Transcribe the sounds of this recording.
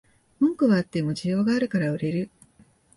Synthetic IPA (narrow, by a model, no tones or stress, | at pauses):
mɯ̃ŋkɯ̟βaːt̪ːe̞mo̞d͡ʑijo̞ːɡaːɾɯ̟kaɾaɯ̟ɾe̞ɾɯ̟